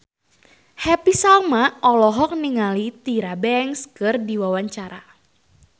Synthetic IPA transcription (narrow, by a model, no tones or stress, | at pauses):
hɛpisalmaɔlɔɦɔk̚niŋalit̪iɾabɛŋskərdiwawaɲt͡ʃaɾa